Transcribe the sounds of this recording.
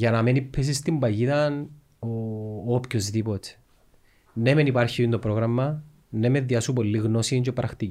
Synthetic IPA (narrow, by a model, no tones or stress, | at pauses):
ʝɐnɐmenipʰːis̬ist̪imbɐʝiðɐn | oːpçozðipot̪e̥ | nemenipɐɾçiind̪opɾoɣɾɐmːɐ | nːemeðiɐsupolːiɣnosiɲt͡ʃopɾʔɐxt̪i